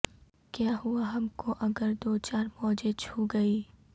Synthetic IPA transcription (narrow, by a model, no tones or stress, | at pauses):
kjaːɦuaɦɐmkoʔɐɡəɾd̪oːt͡ʃaːɾmɔːd͡ʒet͡ʃʰuɡɐiː